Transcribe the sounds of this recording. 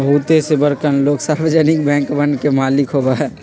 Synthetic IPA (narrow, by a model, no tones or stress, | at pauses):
bəɦut̪esebəɾkənloːɡsaːɾbəd͡ʒɛːnɪk̚bɛ̃ːŋkbənkemaːlɪkɦobaɦɛː